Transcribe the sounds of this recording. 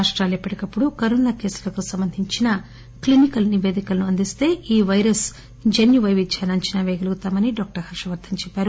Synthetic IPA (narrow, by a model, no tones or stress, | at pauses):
aʂʈɾaːljepːɐɽikɐpːuɽukɐɾoːnaːke̞ːsu̥lɐk̪oːsɐmbɐnd̪ʱiɲt͡ʃinɐ | klinikɐlniʋeːd̪ikɐlɐnuɐnd̪ist̪e̞ːʔiːʋɐjɾɐs | d͡ʒɐnjuʋɐjʋid̪t͡ʃaːnɐɲt͡ʃɐnaːʋeːɡɐluɡut̪aːmɐniɖɔːk̚ʈɐɾhɐɾʂɐʋɐɾd̪ʰʱɐmt͡ʃɛpːaːɾu